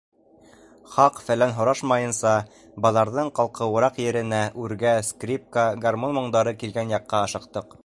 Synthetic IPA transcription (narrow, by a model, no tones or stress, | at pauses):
χɑqfælænɦŏɾɑʃmɑjɤ̆nsɑ | bɑlˠɑɾðɤɴqɑlˠqɤwŏɾɑqjɘ̆ɾɘ̆næʔʉɾɡæskrʲip̚kaɡarmonmoɴd̪ɑɾɤkilɡænjɑqːɑɑʃɤ̆q̚t̪ɤq